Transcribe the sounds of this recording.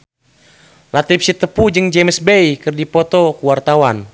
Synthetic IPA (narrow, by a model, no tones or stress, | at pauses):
lat̪ip̚sit̪əpud͡ʒɨŋd͡ʒemsbɛikɨrdipɔt̪ɔkuwart̪awan